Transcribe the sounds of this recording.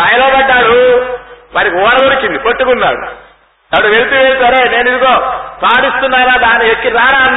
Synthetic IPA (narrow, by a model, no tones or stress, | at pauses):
ɐjɐloːbɐɖːaːɽu | ʋaːɾikiɔːnɐd̪oɾikːind̪ipoʈːukunːa̰ːɽṵ | ɐʋɐɽɐʋelt̪uʋeːlsaɾeːne̞ːnuid̪uko̞ːpaːɽist̪unːaːlaːd̪aːnːiekːiɾaːɾaːn